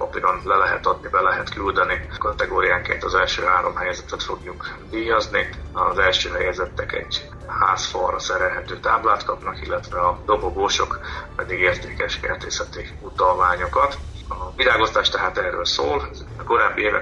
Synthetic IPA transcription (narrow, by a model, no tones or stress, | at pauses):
opiɡɒnlɛlɛɦɛt̪ɒd̪nibɛlɛɦɛt̪kyld̪ɛnikɒt̪ɛɡoːɾijaːŋkḛːnt̪ɒzɛlʃøːɦaːɾo̞mɦɛjɛzɛt̪ɛt̪fo̞ɡjuk | vijɒzniɒzɛlʃøːɦɛjɛzɛt̪ːɛkɛ̰ɟ | ha̰ːsfɒ̰rːɒsɛɾɛlɦɛt̪øːt̪aːblaːt̪kɒpnɒkilːɛt̪ʋɛɒd̪o̞boɡoːʃo̞̰kpɛd̪iɡeːrt̪eːkɛʃkɛ̰rt̪eːshɛt̪i | ut̪ɒlmaːɲo̞kɒt̪ | ɒviɾaːɡo̞st̪aːʃt̪ɛɦaːt̪ɛːrøːlsoːl | ko̞ɾaːbːieːvɛ̰